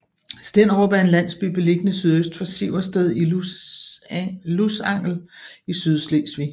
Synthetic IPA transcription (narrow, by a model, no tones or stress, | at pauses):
sd̥en̰ʁɔb̥ɐe̝nlæn̰sb̥y̰b̥e̝le̝ɡ̥ənəsyð̞ˠøsd̥fɒ̽siʊɐsd̥eðˠi | lusɑ̈ŋ̰l̩isyðˠsleːsʋḭ